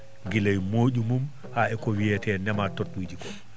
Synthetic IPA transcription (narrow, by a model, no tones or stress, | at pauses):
ɡilajmoːɟumum | haɛkɔwiɛtɛnɛmatotːud͡ʒikɔ